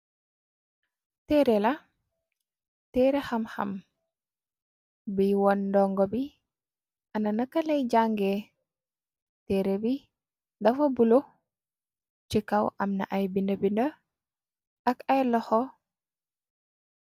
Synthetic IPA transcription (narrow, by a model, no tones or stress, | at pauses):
tɛːɾela | tɛːɾexamxɐ̰m | biwɔnːdɔŋɡɔbi | anɐnakːalɛjɟaŋɡe | tɛːɾebi | dɐfobulo | t͡ʃikawʔamna̰ʔajbindəbində | akajlɔxɔ